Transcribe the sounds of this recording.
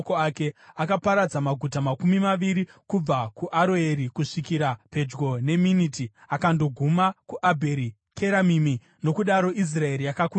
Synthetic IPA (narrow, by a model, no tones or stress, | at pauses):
koake̞akapaɾad͡zamaɡʱutamakumimaʋiɾikub͡vakuʔaɾoe̞ɾikuʂikiɾape̞d͡ʒɡo̞ne̞miniti | akando̞ɡʱumakuʔabʱe̞ɾi | kʰeɾamimi | no̞kuɗaɾo̞ʔis̬rae̞ɾijakaku